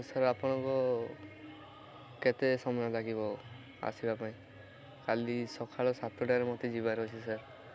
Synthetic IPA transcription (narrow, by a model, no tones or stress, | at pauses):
saɾapɔɽ̃ɔŋkɔ | ket̪esɔmɔjɔlaɡibɔ | a̰sibapaĩ | kalisɔkʰaɭɔsat̪ɔʈaɾemɔt̪ed͡ʒibaɾɦɔt͡ʃʰisaɾ